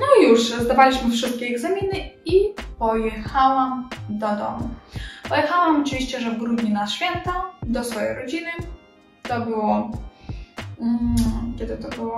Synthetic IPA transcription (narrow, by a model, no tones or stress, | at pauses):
nɔjuʂzd̪avalʲiɕmɘfʂɘst̪̚kʲɛːɡzamʲinɘipɔjɛxawamd̪ɔd̪ɔ̰mupɔjɛxawamɔt͡ʂɨvʲiɕt͡ɕɛʐɛvɡɾud̪ɲinaɕfʲjɛnt̪ad̪ɔsfɔjejɾɔd͡ʑinɘ | t̪ɔbɘwɔ | kʲɛd̪ɘt̪ɔbɘwɔ